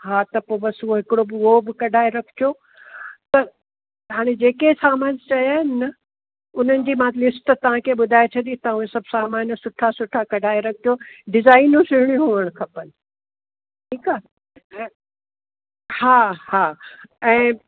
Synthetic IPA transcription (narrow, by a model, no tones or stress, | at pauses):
haːt̪ɐpoːbɐsuoɦɪkɪɽobɪʋobɪkɐɖʱaːeɾɐkʰɪ̥t̪ʰjo | t̪ɐ | ɦaːɽ̃ed͡ʑeːkesaːmaːnt͡ɕɐjaːɦɪnɪːɐ | ʊn̤ənɪ̆d͡ʑiːmãlɪsʈt̪ɐʋ̤ãkʰeːɓʊd̪ʱaːet͡ɕʰɐɗ̪it̪ɐuẽsɐbʱsaːmaːnsʊʈʰasʊʈʰakɐɖʱaːeɾɐk̚ʰt̪ʰijoɖɪzaːɪnũsɪɾ̤ɪɽ̃ĩɦuːəɽ̃kʰɐpən̆ | ʈʰiːkaː | ɛ̃ː | haːhaːɛ̃ː